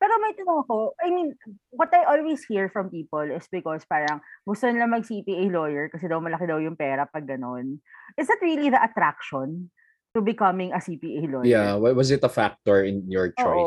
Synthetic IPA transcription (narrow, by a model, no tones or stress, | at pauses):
pɛːɾomɐjt̪ɐnoŋɐkoʔajmĩnwɔt̪ɐjʔolwejshiɹfɹɐ̃mpiːpolɪsbɪkɔspaːɾɐŋɡʊst̪onɪlɐŋmɐɡ̚sipiʔejlojɛɹkɐsɛd̪ɐwmɐlɐkɪd̪ɐwjʊŋpɛːɾɐpɐɡːɐnonʔɪsnɐt̪ɹiliðɐʔɐt̪ɾakʃɔn | t̪ubɪkɐmɪ̃ŋɐsipiʔejlojjawawɐzɪt̪ɐfak̚t̪ɔɹɪ̃njɔɹt͡ʃːoʔo